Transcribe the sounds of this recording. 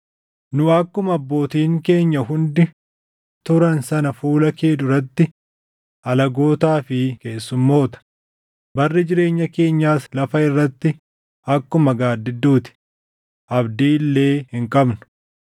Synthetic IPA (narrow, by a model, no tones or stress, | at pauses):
nʊɐkːʊmɐbːo̞ːt̪iːŋke̞ːɲːɐɦʊnd̪ɪ | t̪ʊɾɐnsɐnɐfuːlɐkeːd̪ʊɾɐt̪ːɪ | ʔɐlɐɡo̞ːt̪aːfɪke̞ːsːʊmːo̞ːt̪ɐ̥ | bɐrːɪd͡ʒɪɾe̞ːɲːɐke̞ːɲːaːslɐfɐɪrːɐt̪ːɪ | ɐkːʊmɐɡaːd̪ːɪd̪ːuːt̪ɪ̥ | ʔɐbd̪iːlːe̞ːhɪŋkʼɐbnʊ̥